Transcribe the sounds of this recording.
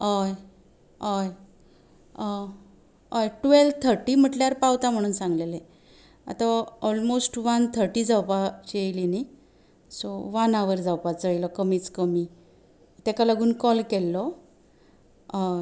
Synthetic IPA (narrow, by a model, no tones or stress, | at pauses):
əj | əj | əjʈʋelt̪ʰəɾʈiːm̤əʈljaɾpawt̪am̤əɽ̃uːnsãŋɡlele | a̰t̪aɔlmosʈʋant̪ʰəɾʈiːd͡zawpat͡ɕiəjlini | sɔʋanaʋəɾd͡zawpat͡səəjləkəmiːt͡skəmi | t̪ɛkalaɡuːnkɔlkɛlːɔ